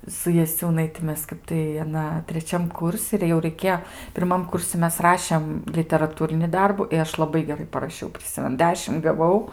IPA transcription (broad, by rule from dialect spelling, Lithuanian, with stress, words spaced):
sʊ jɛˈsʲuːnɐɪtʲɪ ˈmʲɛs ˈkɐp tɐɪ ɐˈnɐ tʲrʲɛˈt͡ʃʲɛm ˈkʊrʲsʲɪ ɪr jɛʊ rɐɪˈkʲeːjoː pʲɪrˈmɐm ˈkʊrʲsʲɪ ˈmʲɛs ˈrɑːʃʲɛm lʲɪtʲɛrɐˈtuːrʲɪnʲɪ ˈdɐrbʊ ɪ ˈɐʃ lˠɐˈbɐɪ ɡʲɛˈrɐɪ pɐrɐˈʃʲɛʊ pʲrʲɪˈsʲɪmʲɛnʊ ˈdʲæːʃʲɪm ɡɐˈʋɐʊ